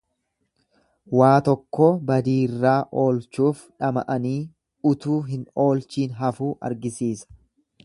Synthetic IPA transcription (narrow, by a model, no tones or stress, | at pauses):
waːt̪ɔkːɔbɐd̪iːrːaːʔo̞ːlt͡ʃuːfᶑɐmɐ̰ʔɐniː | ʊt̪uːɦɪno̞ːlt͡ʃiːnɦɐfuːʔɐ̰ɾɡɪsiːsɐ̥